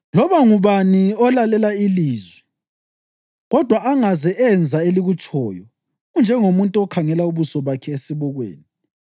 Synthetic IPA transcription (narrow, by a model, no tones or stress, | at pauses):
lɔβaŋuβaniɔlalɛlailiːzwɛ | ɣɔd̥ʱwaʔaŋazɛʔɛnd͡zʱaeliɣut͡ʃʼɔːjɔ | und͡ʒʱɛŋomuntʼuɔkʰaŋɛlauβusɔβakʰɛesiβɔɣwḛːni